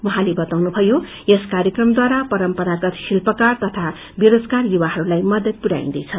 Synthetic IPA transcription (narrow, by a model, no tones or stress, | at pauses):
uɦãlebʌt̪awnubʱʌjo | jeskaɾjʌkrʌmd̪waɾapʌɾʌmpʌɾaɡʌt̪silpʌkart̪ʌt̪ʰa | beɾod͡zkarjuwaɦʌɾulajmʌd̪ʌd̪̚puɾa̰ḭ̃nd̪ʌjt͡sʰʌ